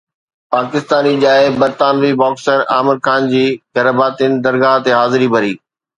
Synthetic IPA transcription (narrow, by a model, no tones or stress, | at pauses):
paːkɪst̪aːniʄaːebɐɾt̪aːnʋibɔːksəɾaːmɪɾkʰaːnd͡ʑiːɡɐɾəbaːt̪inɪ̆d̪ɐɾɡaːɦt̪eɦaːzɪɾibʱɐɾiː